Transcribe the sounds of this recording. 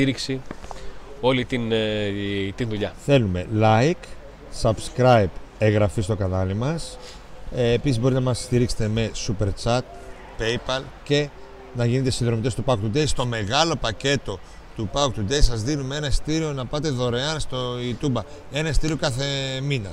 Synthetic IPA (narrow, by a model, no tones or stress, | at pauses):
iɾiksi | o̞lit̪in | t̪inðuʎɐθe̞lume̞̰lɐik | sɐbskɾɐjbeɣɾɐfist̪o̞kɐnɐlimɐs | pisizbo̞ɾit̪enɐmɐst̪iɾikse̥t̪e̞me̞supe̞ɾt͡ʃɐt̪̚ | pejpɐl | ce̞ | nɐʝinit̪esinðɾo̞mit̪e̞st̪upɐk̚t̪ud̪eist̪o̞me̞ɣɐlo̞pɐce̞t̪o̞ | t̪upɐukt̪ud̪eisɐzðinumeenɐst̪iɾio̞nɐpɐt̪e̞ðo̞ɾeɐnst̪o̞it̪ubɐ | e̞nɐst̪iɾio̞kɐθe̞minɐ